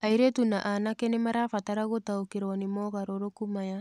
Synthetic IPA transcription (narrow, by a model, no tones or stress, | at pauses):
ajɾetunaʔanakenemaɾafataɾaɡotaokeɾonimoɣaɾoɾokumaja